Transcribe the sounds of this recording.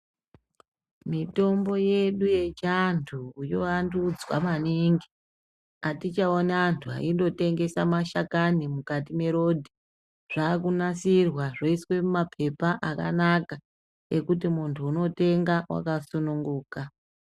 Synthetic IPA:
mito̞mbo̞je̞ɗuje̞t͡ʃantʰuːjo̞andud͡zwamaniŋɡi | atit͡ʃaonaantʰua̰indo̞te̞ŋɡe̞samaʃakanimukatime̞ɾo̞dʱi | ʐ̥aːkunasirwaʐoiswe̞umapʰe̞paʔaka̰naka | e̞kutimuntʰuːno̞te̞ŋɡawa̰kasunuŋɡuːka

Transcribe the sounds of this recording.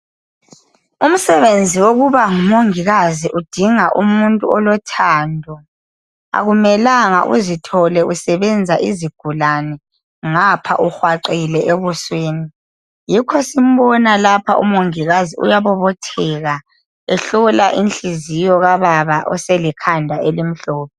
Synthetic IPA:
um̩sɛβend͡zʱiwoɣuβaŋumoŋiɣaziʔud̥ʱiŋaʔṵmuntʼuɔlɔtʰaːndʱɔ | a̰ɣumɛlaŋa̰ʔṵzitʰɔlɛʔusɛβɛnd͡zʱaʔiziɡ̥ʱulanɛ | ŋapʰa̰ʔuxwaǃilɛʔeβusweːni | jikʰɔsim̩βɔnalapʰa̰ʔṵmoŋiɣaziṵjaβɔβɔtʰɛɣa | ɛɬɔlaʔinɬizijɔɣaβaβaʔɔ̰sɛlikʰandʱaelim̩ɬɔːpʰɛ

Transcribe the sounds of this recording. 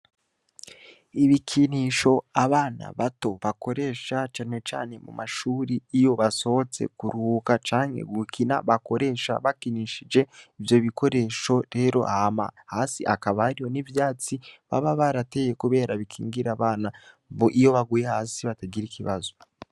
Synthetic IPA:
iβikʰiniʃo̞aβaːna̰βato̞βako̞ɾe̞ːʃat͡ʃane̞t͡ʃa̰ːne̞mṵmaʃuːɾiijo̞βaso̞hot͡se̞̰kuɾuːkat͡ʃaːŋhe̞̰ɡwukʰina̰βako̞ɾe̞ʃa̰βakiniʃid͡ʒe̞ivjo̞βikʰo̞ɾe̞ʃo̞ɾe̞ːɾo̞̰ʔhama̰haːsiʔakaβahaɾijo̞nivjaːt͡siβa̰βaβaɾate̞jekuβe̞ːɾaβikʰḭːŋɡiɾaβaːna | βoʔijo̞βaɡujehaːsiβataɡiɾikʰiβazo̞

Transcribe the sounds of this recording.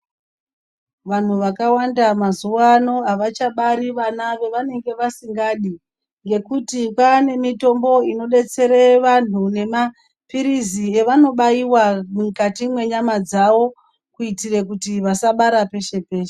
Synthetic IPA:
ʋan̤uʋakawandamazuano̞ɦaʋat͡ʃaɓaɾiʋanaʋe̞ʋane̞ŋɡe̞ʋasiŋɡaɗi | ŋɡe̞kutipane̞mito̞mbo̞ino̞ɗe̞t͡se̞ɾeʋan̤une̞ma | piɾizieʋano̞ɓaiwamukatimwe̞ɲamad͡zaʋo̞ | kuitire̞kutiʋasaɓaɾape̞ʃe̞pe̞ːʃe

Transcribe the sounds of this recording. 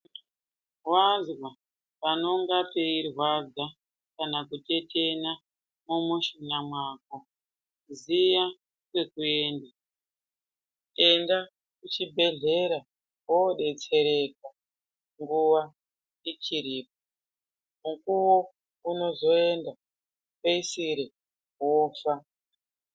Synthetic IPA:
rwazwa | pano̞ŋɡapeirwazɡa | kanakute̞te̞na | mumuʃinamwaːko | zija | kwe̞kue̞ːnda | e̞nda | kut͡ʃibʱe̞ɮe̞ɾa | woɗe̞t͡se̞ɾe̞ka | ŋɡuʋa | it͡ʃiɾiːp̚o | mukuwo | uno̞zo̞e̞nda | peisiɾe | woːfa

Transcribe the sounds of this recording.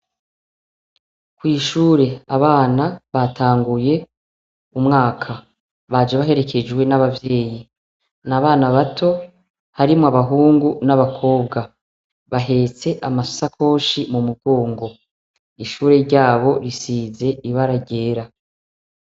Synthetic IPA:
kwiːʃuːɾe̞aβaːnaβatʰaːŋɡuje̞ | umŋaːkʰa | βad͡ʒaβaɦe̞ɾe̞kʰe̞d͡ʒwe̞naβavje̞ːji | naβaːnaβatʰo̞ | haɾimoaβaɦuːŋɡunaβakʰo̞ːbɡa | βaɦe̞ːt͡se̞ʔamaso̥sakʰo̞ːʃimumuɡo̞ːŋɡo̞ | iʃuːɾe̞ɾɟaːβo̞ɾisiːze̞iβaɾaɟe̞ːɾa

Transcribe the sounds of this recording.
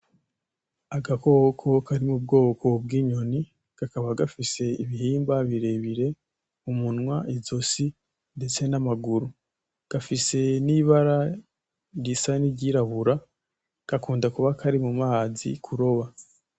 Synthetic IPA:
aɡako̞ːkʰo̞kaɾimubɡo̞ːkʰo̞b̚ɡiːɲo̞ni | ɡ̥akaβaɡafise̞iβihiːmbaβiɾe̞βiɾe̞ | umunŋwaizosi | nde̞t͡se̞namaɡuɾu | ɡ̥afise̞niβaɾa | ɟisaniɟiɾaβuɾa | ɡ̥akuːndakuβakʰaɾimumaːzḭkʰuɾo̞βa

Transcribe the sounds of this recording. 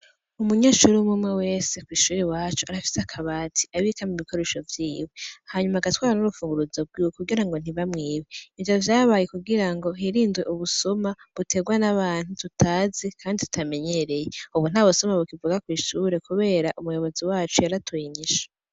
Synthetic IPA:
umuɲaʃuɾimumŋewe̞ːse̞kwiːʃuːɾiwaːt͡ʃuaɾafi̥seakʰaβaːtʰi̥ʔaβikamuβikʰo̞ɾeʃo̞vjiːwehaɲumaːɡatwaːɾanuɾufuːŋɡuɾuzob̚ɡiwkuɡiɾaŋɡo̞n̥iβamŋiːweivavjaːβajekuɡiɾaŋɡo̞ɦiɾiːnzweʔuβusomaβutʰe̞ɡwanaβaːn̥hututʰaːzekʰaːnditu̥tame̞ɲe̞ɾe̞jeuβun̥aːβosomaβukivuɡakwiːʃuɾe̞kuβe̞ːɾaʔumujo̞βo̞ziwaːt͡ʃujaɾatʰuiɲiʃḁ

